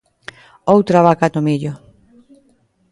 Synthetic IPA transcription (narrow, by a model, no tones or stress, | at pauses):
owt̪ɾaβakat̪omiʎʊ